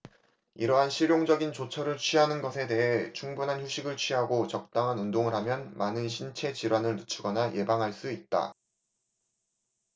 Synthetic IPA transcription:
iɾʌɦanɕʰiɾjoŋd͡ʑʌɡint͡ɕot͡ɕʰʌɾɯɭt͡ɕʰɥiɦanɯnɡʌsʰe̞te̞ɦe̞t͡ɕʰuŋbunɦançuɕʰiɡɯɭt͡ɕʰɥiɦaɡot͡ɕʌk̚t͈aŋɦanundoŋɯɾɦamjʌnmanɯnɕʰint͡ɕʰe̞t͡ɕiɾwanɯɭnɯt͡ɕʰuɡʌnajʔe̞baŋɦaɭs͈uit̚t͈a̰

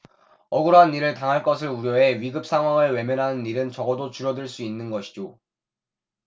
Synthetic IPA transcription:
ʌɡɯɾoɦanːiɾɯɭtaŋɦaɭk͈ʌs̬ʰɯɭuɾjʌe̞ɥiɡɯp̚s͈ʰaŋɦwaŋɯɭwe̞mjʌnɦanɯnːiɾɯnt͡ɕʌɡʌdot͡ɕuɾjʌdɯɭs͈uinːɯnɡʌɕʰi̥d͡ʑo

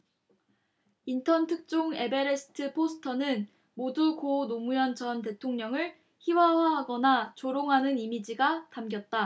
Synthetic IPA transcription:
intʰʌntʰɯk̚t͡ɕ͈oŋe̞be̞ɾesʰɯ̥tʰɯpʰosʰɯ̥tʰʌnɯn | modukonomujʌnd͡ʑʌnte̞tʰoŋɲʌŋɯɭ | çiwawaɦaɡʌnat͡ɕoɾoŋɦanɯnimid͡ʑiɡatamɡjʌt̚t͈a

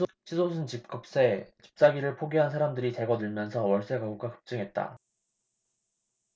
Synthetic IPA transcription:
ɕʰisʰosʰɯnt͡ɕip̚k͈ɯp̚s͈et͡ɕi̥p̚t͡ɕ͈aɡiɾɯɭpʰoɡiɦansʰaɾamdɯɾite̞ɡʌdɯɭmjʌnsʰʌwʌɭs͈eɡaɡuɡ͈akɯ̥p̚t͡ɕ͈ɯŋɦe̞t̚t͈a̰

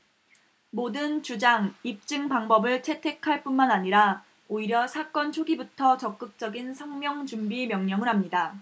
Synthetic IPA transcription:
modɯnt͡ɕud͡ʑaŋip̚t͡ɕ͈ɯŋpaŋbʌbɯɭt͡ɕʰe̞tʰe̞kʰaɭp͈unmanaɲiɾa | oiɾjʌsʰak͈ʌnt͡ɕʰoɡibutʰʌt͡ɕʌk̚k͈ɯk̚t͡ɕ͈ʌɡinsʰʌŋmjʌŋt͡ɕumbimjʌŋɲʌŋɯɭɦamɲida

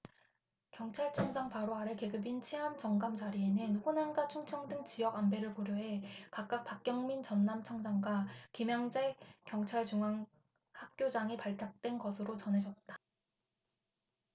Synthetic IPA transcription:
kjʌŋt͡ɕʰaɭt͡ɕʰʌŋd͡ʑaŋpaɾoaɾeke̞ɡɯbint͡ɕʰiɦamt͡ɕʌŋɡamt͡ɕaɾie̞nɯnɸonanɡat͡ɕʰuŋt͡ɕʰʌŋdɯŋt͡ɕijʌɡambe̞ɾɯɭpoɾjoɦe̞kak̚k͈ak̚pak̚k͈jʌŋmint͡ɕʌnːamt͡ɕʰʌŋd͡ʑaŋɡwakimjaŋd͡ʑe̞kjʌŋt͡ɕʰaɭt͡ɕuŋaŋ | hak̚k͈jod͡ʑaŋipaɭtʰak̚t͈we̞nɡʌsʰɯɾot͡ɕʌnɦe̞d͡ʑʌt̚t͈ḁ

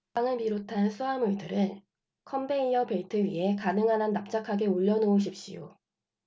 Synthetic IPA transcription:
aŋɯɭpiɾotʰansʰuɦamuɭdɯɾɯɭ | kʰʌmbeiɲʌpe̞itʰɯɥiɦe̞kanɯŋɦanɦanːap̚t͡ɕ͈akʰaɡe̞uʎːʌnooɕ̬ʰip̚ɕ͈ḭjo̰

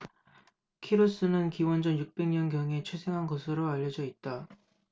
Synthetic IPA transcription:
kʰiɾos͈ɯnɯnkiwʌnd͡ʑʌnjuk̚p͈e̞ŋɲʌnɡjʌŋe̞t͡ɕʰwesʰe̞ŋɦanɡʌsʰɯɾoaʎːʌd͡ʑʌit̚t͈a

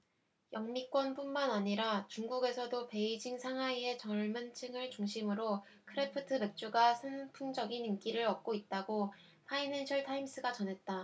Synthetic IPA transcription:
jʌŋmik͈wʌnpunmanaɲiɾat͡ɕuŋɡuɡe̞sʰʌdope̞id͡ʑiŋsʰaŋɦaie̞t͡ɕʌɭmɯnt͡ɕʰɯŋɯɭt͡ɕuŋɕʰimɯɾo | kʰɯɾepʰɯtʰɯme̞k̚t͡ɕ͈uɡasʰanpʰuŋd͡ʑʌɡinimk͈iɾɯɾʌk̚k͈oit̚t͈aɡo | pʰainenɕʰʌɭtʰaims͈ɯɡat͡ɕʌnɦe̞t̚t͈a

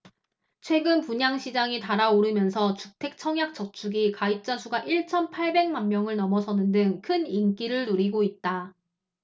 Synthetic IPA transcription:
t͡ɕʰwe̞ɡɯnpuɲaŋɕʰid͡ʑaŋitaɾaoɾɯmjʌnsʰʌt͡ɕuk̚tʰe̞k̚t͡ɕʰʌŋjak̚t͡ɕ͈ʌk̚t͡ɕʰuɡikaip̚t͡ɕ͈asʰuɡaʔiɭt͡ɕʰʌnpʰaɭbe̞ŋmanmjʌŋɯɭnʌmʌsʰʌnɯndɯŋkʰɯnink͈iɾɯɭnuɾiɡoit̚t͈a

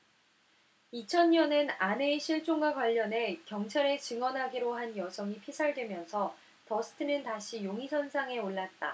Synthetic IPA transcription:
it͡ɕʰʌnɲʌnɯnane̞iɕʰiɭt͡ɕ͈oŋɡwaɡwaʎːʌne̞kjʌŋt͡ɕʰaɾe̞t͡ɕɯŋwʌnɦaɡiɾoɦanjʌsʰʌŋipʰisʰaɭdwe̞mjʌnsʰʌ | tʌsʰɯ̥tʰɯnɯntaɕʰijoŋisʰʌnsʰaŋe̞oɭːat̚t͈a̰

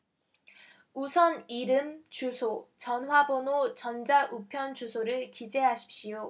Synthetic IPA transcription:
usʰʌniɾɯmt͡ɕusʰot͡ɕʌnɦwabonot͡ɕʌnd͡ʑaʔupʰjʌnt͡ɕusʰoɾɯɭkid͡ʑe̞ɦaɕʰi̥p̚ɕ͈ijo

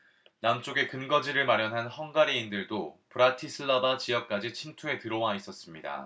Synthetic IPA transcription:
namt͡ɕ͈oɡe̞kɯnɡʌd͡ʑiɾɯɭmaɾjʌnɦanhʌŋɡaɾiindɯɭdopɯɾatʰisʰɯɭːabat͡ɕijʌp̚k͈ad͡ʑit͡ɕʰimtʰue̞tɯɾʌwais͈ʌs͈ɯmɲida̰

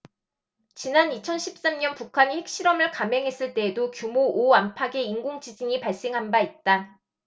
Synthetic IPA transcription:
t͡ɕinanit͡ɕʰʌnɕʰip̚s͈amɲʌnpukʰaɲihe̞k̚ɕ͈iɾʌmɯɭkame̞ŋɦe̞s͈ɯɭt͈e̞ːdokjumoʔoampʰaɡe̞iŋɡoŋd͡ʑid͡ʑiɲipaɭs͈e̞ŋɦanbait̚t͈a

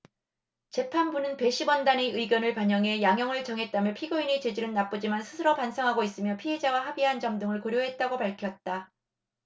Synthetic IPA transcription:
t͡ɕe̞pʰanbunɯnpe̞ɕʰibwʌndane̞ɯiɡjʌnɯɭpaɲʌŋe̞jaŋjʌŋɯɭt͡ɕʌŋɦe̞t̚t͈amjʌpʰiɡoinit͡ɕe̞d͡ʑiɾɯɭnap͈ɯd͡ʑimansʰɯsʰɯɾʌpansʰʌŋɦaɡois͈ɯmjʌpʰiɦe̞d͡ʑawaɦabiɦand͡ʑʌmdɯŋɯɭkoɾjoɦe̞t̚t͈aɡopaɭkʰjʌt̚t͈a

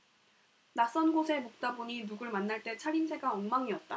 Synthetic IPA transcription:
nas͈ʌnɡosʰe̞mok̚t͈aboɲinuɡɯɭmanːaɭt͈e̞t͡ɕʰaɾinsʰe̞ɡaʌŋmaŋiʌt̚t͈a

